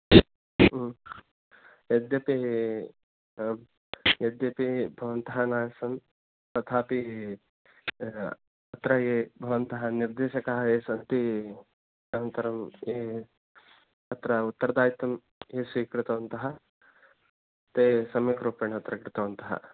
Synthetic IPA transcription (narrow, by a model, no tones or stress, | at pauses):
ed̪jɐpi | jed̪jɐpibʱɐʋɐnt̪ɐɦɐnaːjɐsɐn | t̪ɐt̪ʰaːpi | ɐt̪ɾɐeːbʱɐʋɐnt̪ɐɦɐniɾd̪eːʃɐkɐɦɐeːsɐnt̪i | ɐnɐnt̪ɐɾɐmeː | ɐt̪ɾɐut̪ːɐɾɐd̪aːjt̪ɐm | eːsiːkɾɪt̪ɐʋɐnt̪ɐɦɐ | t̪eːsɐmjɐkɾupeɳɐt̪ɾɐkɾɪt̪ɐʋɐnt̪ɐɦɐ̰